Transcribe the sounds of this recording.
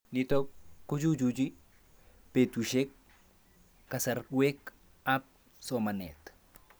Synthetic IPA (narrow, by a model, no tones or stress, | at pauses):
nitokːud͡ʒud͡ʒud͡ʒi | petuʃek | asɐɾwek | ap̚ | somanɛt̪